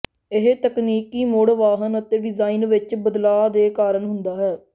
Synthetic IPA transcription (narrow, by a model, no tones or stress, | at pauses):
ɪɦt̪əkniːkiːmoːɽʋaːɦənət̪eːɖɪzaːiːnʋɪt͡ʃbəd̪laːd̪eːkaːɾəɳɦʊnd̪aːɦɛː